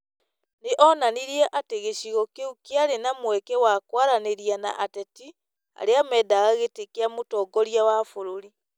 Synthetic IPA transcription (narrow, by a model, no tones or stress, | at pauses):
neʔɔnaniɾiɛʔateɣeɕiɣɔkeukeaɾenamwɛkɛwakwaɾaneɾiana̰ʔatɛti | a̰ɾeamɛːdaɣaɣetekeamotɔːɡɔɾiawafoɾoɾi